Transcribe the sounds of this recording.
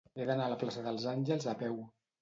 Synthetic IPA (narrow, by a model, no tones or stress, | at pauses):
eðənaːləplasəðəlˠzanʲʒəlˠzapɛw